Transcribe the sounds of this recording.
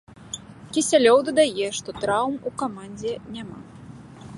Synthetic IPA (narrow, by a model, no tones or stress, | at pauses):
kʲisʲalʲɔwd̪ɐd̪ajɛʂt̪ɔt̪ɾawmukamanʲd͡zʲɛnʲama